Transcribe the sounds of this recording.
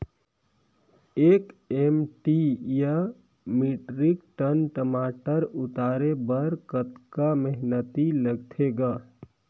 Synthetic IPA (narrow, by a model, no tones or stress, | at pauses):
eːkemʈija | miːʈɾɪkʈənʈəmaːʈəɾʊt̪aːɾebəɾkət̪kaməɦnət̪iləɡ̚t̪ʰeɡaː